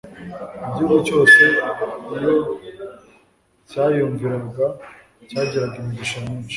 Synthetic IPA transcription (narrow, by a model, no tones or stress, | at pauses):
ibɟuːβat͡ʃo̞ːse̞ijo | caːjoːɱviɾaɡa | caːɟiɾaɡiɾuɟiʃamuːnt͡ʃi̥